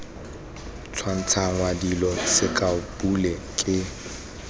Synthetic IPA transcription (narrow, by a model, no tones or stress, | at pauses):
t͡sʰwan̩t͡sʰaŋ̩wadilɔsɪkʼapʼulɛ | kʼɪ